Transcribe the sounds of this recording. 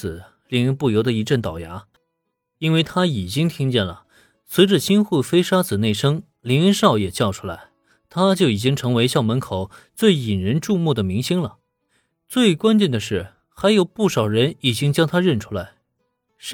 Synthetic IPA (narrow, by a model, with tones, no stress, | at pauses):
ɹ̩˨˩˦ | li˧˥ŋ˧˥ŋpu˥˩jo˧˥ʊd̪ə˧i˧˥ʈ͡ʂə˥˩nt̪ɑ˨˩ʊja̰˧˥ | i˥nwe˥˩ɪt̪ʰa˥i˨˩t͡ɕi˥ŋt̪ʰi˥ŋt͡ɕjɛ˥˩nlə̰˩ | swe˧˥ɪʈ͡ʂə˨ɕi˥nxu˥˩fe˥ɪʂa˥t͡sɹ̩˨˩ne˥˩ɪʂɤ˥ŋ | li˧˥ŋ˥ʂɑ˥˩ʊjɛ˨˩t͡ɕjɑ˥˩ʊʈ͡ʂʰu̥˥la˧˥ɪ | t̪ʰa˥t͡ɕjo˥˩ʊi˨˩t͡ɕi˥ŋʈ͡ʂʰɤ˧˥ŋwe˧˥ɪɕjɑ˥˩ʊmə˧˥nkʰo˨˩ʊt͡swe˥˩ɪi˨˩nɻə˧˥nʈ͡ʂu˥˧mu˥˩d̪ə˩mi˧˥ŋɕi˥ŋlə˨ | t͡swe˥˩ɪkwa˥nt͡ɕjɛ˥˩nd̪ə˩ʂɻ̩˥˩ | xa˧˥ɪjo˨˩ʊpu˥˩ʂɑ˨˩ʊɻə˧˥ni˨˩t͡ɕi˥ŋt͡ɕjɑ˥ŋt̪ʰa˥ɻə˥˩nʈ͡ʂʰu˥la˧˥ɪ